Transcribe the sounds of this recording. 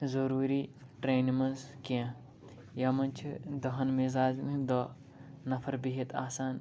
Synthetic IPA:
zɐɾuːɾiːʈɾeːnmɐ̃nzkiã | jamɐnt͡ʃʰid̪ɐɦɐnmizaːd͡ʒnĩd̪ɐ | nɐpʰɐɾbiɦet̪aːsaːn

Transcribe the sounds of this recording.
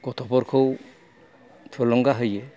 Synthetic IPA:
ɡɔt̪ʰɔpɔɾkʰɯw | t̪ʰɔlɔŋɡaɦɯjɛ

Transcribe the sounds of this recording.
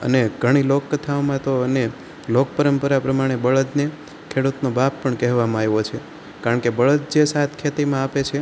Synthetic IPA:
ə̰neɡʱəɽ̃ilokːət̪ʰaomãt̪oəne | lok̚pəɾəmpəɾapɾəmaɽ̃ebəɭət̪ne | kʰeɽut̪nobapːəɳkɛɦʋamajʋot͡ʃʰe | kaɾəɳkebəɭət̪̚d͡ʒesat̪ʰkʰet̪imãapet͡ʃʰe

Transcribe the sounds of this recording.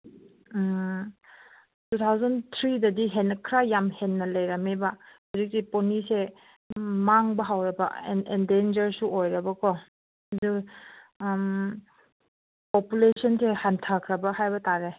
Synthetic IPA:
tut̪ʰawzantʰɾidɐdiɦenːɐkʰɾajamhenːɐlɐjɾamebahɔzik̚tiponise | maŋbɐɦawɾɐba̰nendend͡ʒɐɾsuojɾɐbɐkɔ | du | m | pɔpulesɔnsehantʰakʰɾɐbahajbɐtaɾe

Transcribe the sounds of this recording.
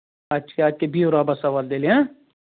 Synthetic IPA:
at͡ʃʰeaːd͡ʒkebʱiːoːɾaːbasɐʋaːld̪eːleã

